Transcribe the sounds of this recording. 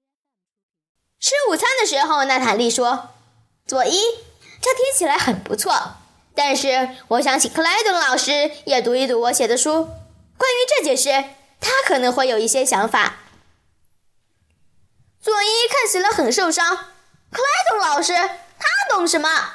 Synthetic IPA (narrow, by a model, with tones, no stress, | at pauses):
ʈ͡ʂʰɻ̩˥u˨˩t͡sʰa˥nd̪ə˨ʂɻ̩˧˥xo˥˧ʊna˥˩t̪ʰa˨˩nli˥˩ʂwɔ˥ | t͡swɔ˨˩i˥ | ʈ͡ʂə˥˩t̪ʰi˥ŋt͡ɕʰi˨˩la˧˥ɪxə˨˩npṵ˧˥t͡sʰwɔ˥˩ | t̪a˥˧nʂɻ̩˥˩wɔ˨˩ɕ̬jɑ˧˥ŋt͡ɕʰi˨˩kʰɤ˥˧la˥ɪt̪ʊ˧˥ŋlɑ˨˩ʊʂɻ̩˥jɛ˨˩t̪u˧˥i˥˩t̪u˧˥wɔ˧˥ɕjɛ˨˩d̪ə˦ʂu˥ | kwa˥ny˧˥ʈ͡ʂɤ˥˩t͡ɕjɛ˨˩ʂɻ̩˥˩ | t̪ʰa˥kʰɤ˨˩nɤ˧˥ŋxwe˥˩ɪjo˨˩ʊi˥˩ɕjɛ˥ɕjɑ˧˥ŋfa̰˨˩˦ | t͡swɔ˨˩i˥kʰa˥˩nt͡ɕʰi˨˩lə˧˦xə˨˩nʂo˥˩ʊʂɑ˥ŋ | kʰə˥˧la˥ɪt̪ʊ˧˥ŋlɑ˨˩ʊʂɻ̩˥t̪ʰa˥˨t̪ʊ˥ŋʂɻ̩˧˥˩mɐ˩